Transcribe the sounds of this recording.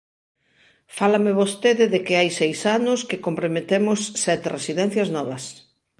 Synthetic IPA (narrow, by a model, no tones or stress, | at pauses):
falɐmɪβost̪eðɪðekɪajsejsanʊskɪkompɾomet̪emʊsːɛt̪eresiðɛ̃n̟θjɐznɔβɐs